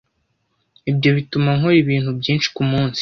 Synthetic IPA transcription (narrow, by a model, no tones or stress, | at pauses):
ibɟo̞βitumaŋoɾiβiːnhubɟiːnʃi̥kumuːnsi̥